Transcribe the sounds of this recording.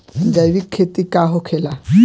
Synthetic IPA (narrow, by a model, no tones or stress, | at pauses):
d͡ʒajβikʰːet̪ikaɦokʰela